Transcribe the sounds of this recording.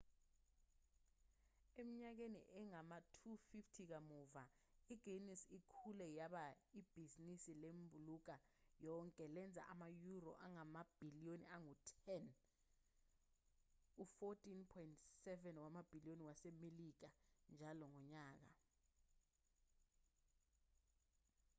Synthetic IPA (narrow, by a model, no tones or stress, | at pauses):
emiɲak̬enḭʔɛŋamatʰufiftʰik̬amɔvaiɡ̥ʱenisikʰulɛjaɓaib̥ʱizinisilembʱuluk̬ajɔŋkʼɛlɛnd͡zʱa̰ʔamajurɔ̰ʔaŋamab̥ʱilijoniaŋutʰɛn | ufɔtʼinpʰɔjintsɛvɛnwamab̥ʱilioniwasɛmelik̬and͡ʒʱalɔŋɔɲaːk̬a̰